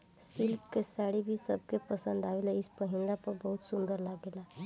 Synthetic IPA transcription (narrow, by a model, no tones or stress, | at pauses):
sɪlkkesaːɽibʱisəb̚ʱkepəsə̃nd̪aweleɪspəɦɪ̃nɡ̪apəɾbəɦʊt̪sʊ̃nd̪əɾlaɡela